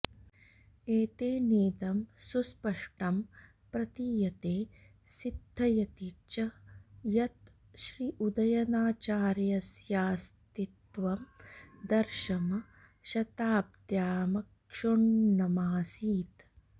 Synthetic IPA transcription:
eːt̪eːneːd̪ɐmsuspɐʂʈɐm | pɾɐt̪ijɐt̪eː | sid̪ʱːɐjɐt̪it͡ʃɐjɐt̪ | ʃɾiʔud̪ɐjɐnaːt͡ʃaːɾjɐsjaːst̪it̪ʋɐmd̪ɐɾʃɐmɐ | ʃɐt̪aːp̚t̪jaːmɐk | ʂuɳnɐmaːsiːt̪

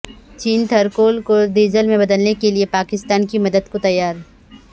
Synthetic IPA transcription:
t͡ʃiːnt̪ʰɐɾkoːlkod̪eːd͡ʒəlmẽbɐd̪əlnekeliepaːkɪst̪aːnkimɐd̪əd̪kot̪ɐjːaːɾ

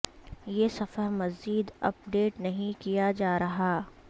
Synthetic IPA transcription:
jeːsɐfəɾmɐziːd̪ɐ̰p̚ɖeːʈnɐɦĩkijad͡ʒaːɾɐɦaː

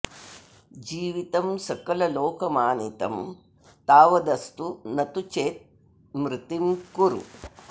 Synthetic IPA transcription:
d͡ʒiːʋit̪ɐmsɐkɐlɐloːkɐmaːnit̪ɐ̰m | t̪aːʋɐd̪ɐst̪unɐt̪ut͡ʃeːt̪̚ | mɾɪt̪imkuɾṵ

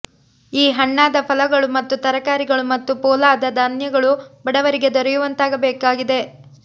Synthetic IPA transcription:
iːɦɐɳːaːd̪ɐpʰɐlɐɡɐɭumɐt̪ːut̪ɐɾɐkaːɾiɡɐɭumɐt̪ːupɔːlaːd̪ɐd̪aːnjɐɡɐɭubɐɽɐʋɐɾiɡe̞d̪ɔɾɛjuʋɐnt̪aːɡɐbɛːkaːɡid̪e̞

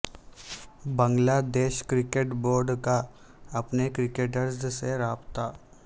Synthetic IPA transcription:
bə̃ŋɡlaːd̪eːʃkɾɪkeʈboːɾɖka | ɐpnekɾɪkeːʈ̬əɾzseɾaːbt̪aː

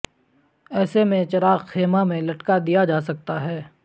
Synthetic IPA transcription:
ɛːsemẽt͡ʃɐɾaːqxeːmamẽlɐʈkad̪ijad͡ʒaːsɐk̚t̪aɦɛː

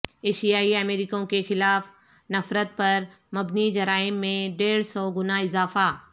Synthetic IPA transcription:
eːʃijaːiɐmeːɾɪkõkexɪlaːf | nɐfɾət̪̚pɐɾ | mɐbnid͡ʑɐɾaːɪmːẽɖeːɽsɔːɡʊnaɪzaːfa

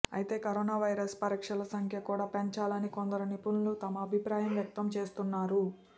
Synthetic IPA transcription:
ɐ̰jit̪e̞ːkɐɾoːnaːʋɐjɾɐspɐɾiːkʂɐlɐsɐŋkʰjɐkuːɽaːpeɲt͡ʃaːlɐnikond̪ɐɾunipunlut̪ɐmɐːbʱipɾaːjɐmʋjɐk̚t̪ɐmt͡ʃe̞ːst̪unːaːɾu

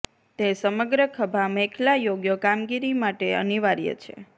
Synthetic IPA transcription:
t̪esəməɡɾəkʰəbʱamekʰlajoɡjəkamɡiɾimaʈeə̰niʋaɾjə̰t͡ʃʰḛ

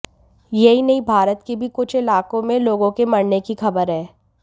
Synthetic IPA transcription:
jɐɦinɐɦĩbʱaːɾət̪kebʱikʊt͡ʃʰɪlaːkõmẽloːɡõkemɐɽnekixɐbəɾɦɛː

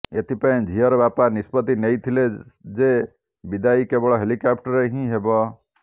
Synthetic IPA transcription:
jet̪ʰipə̃d͡ʒʱijəɾbaːpanispət̪inəit̪ʰiled͡ʒe | bid̪aːikebɔɽɔɦelikap̚ʈəɾeɦĩɦebɔ

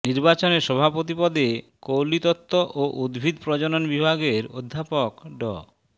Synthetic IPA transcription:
niɾbat͡ɕoneɾʃɔbʱapot̪̬ipɔd̪e | kowlit̪ɔt̪ʰːoʔoʔud̪bʱid̪pɾɔd͡ʑononbibʱaɡeɾod̪ʱːapokɖɔ̰

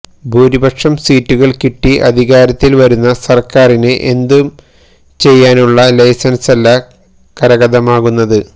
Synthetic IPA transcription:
bʱuːɾibɐkʂɐmsiːtːuɣɐɭkiʈːiʔɐd̪ʱiɣaːɾɐt̪ːilʋɐɾunːɐsɐrkaːrinɨʔe̞nd̪um | t͡ɕe̞jːaːnuɭːɐlɐjsɐnsɐlːɐ | kɐɾɐɣɐðɐmaːɣunːɐðɨ

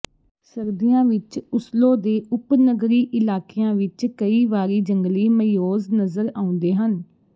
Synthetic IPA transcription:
səɾd̪ijãːʋɪt͡ʃʊsloːd̪eːʔʊpnəɡɾiːʔɪlaːkeːãːʋɪt͡ʃkəiːʋaːɾiːd͡ʒəŋɡliːməjoːznəzəɾaːʊ̃ːnd̪eːɦən

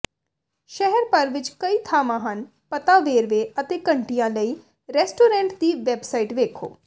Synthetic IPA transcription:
ʃɛɦɛɾpəɾʋɪt͡ʃkəiːt̪ʰaːmãːɦən | pət̪aːʋeːɾʋeːət̪eːkəɳʈijãːləiː | ɾɛːsʈoːɾɛ̃ːɳʈd̪iːʋɛːbsaːiːʈʋeːkʰo̰ː

